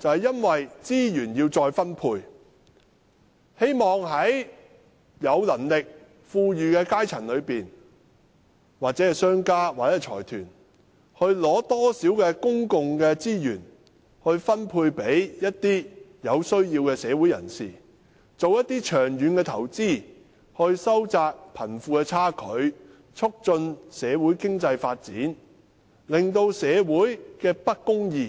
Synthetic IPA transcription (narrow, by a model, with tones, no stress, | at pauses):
t͡sɐ˨whɐ˨jːɐ˥nwɐ˨jt͡siː˥jyː˨˩njiː˧wt͡sɔː˧jfɐ˥npʰuː˧j | he˥jmɔː˨ŋɦɐ˨˥j | jɐ˨˧wlɐ˨˩nlɪ˨k̚ | fuː˧jyː˨kɛː˧kaː˥jt͡sʰɐ˨˩nlɵ˨˧ɥpiː˨n | waː˨t̚t͡sɛ˨˦˥ɛ˨sœː˥ŋkaː˥waː˨t͡sɛ˥˩t͡ʃʰɔ̰ː˨˩jt̪ʰyː˨˩n | hɵ˧ɥlɔː˨˥t̪ɔː˥siː˨˥wkɛː˧kʊ˥ŋkʊ˨˧ŋkɛː˧t͡siː˥jyː˨˩n | hɵ˧ɥfɐ˥npʰuː˧jpe˨˥jjɐ˥t̚t̪iː˥jɐ˨˧wsɵ˥ɥjiː˧wkɛː˧sɛː˨˧wuː˨˥jɐ̰˨˩nsḭː˨˩ | t͡so˨wjɐ˥t̪̚iː˥t͡ʃʰœː˨˩ŋjyː˨˧nkɛː˧t̪ʰɐ˨˩wt͡siː˥ | hɵ˧ɥsɐ˥wt͡saː˧k̚pʰɐ˨˩nfuː˧kɛ˧t͡sʰaː˥kʰɵ˨˧˥ɥ | t͡sʰʊ˥k̚t͡ʃɵ˧nsɛː˨˧wuː˨˥jkɪ˥ŋt͡sɐ˧jfaː˧t̚t͡sḭː˨˥n | lɪ˨˩ŋt̪o˧wsɛː˨˧wuː˨˥jkɛː˧pɐ˥t̚kːʊ˥ŋjiː˧˩